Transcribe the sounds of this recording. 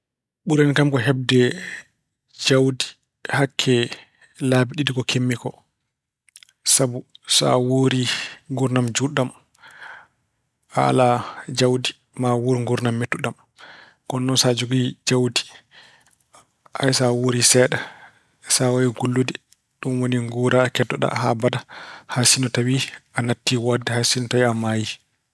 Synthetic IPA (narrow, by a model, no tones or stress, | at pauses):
ɓuɾɛnkamkɔɦɛb̚dɛ | d͡ʒawdi̥ | hakʰːɛ | labiɗidikɔkʰemːikɔ | sabusa̰woɾiŋɡuɾnamd͡ʒuɗːam | a̰lad͡ʒawdi | mawuɾiŋɡuɾnamːetːuɗam | kɔnːɔsad͡ʒoɡid͡ʒawdi̥ | ʔajsawoɾisɛːɗɛ | sawawiɡulːudi | ɗunwoniŋɡuɾakɛdːɔɗa̰ha̰badahasinɔtawiʔanatːiwadɛhasinɔtawiamaːji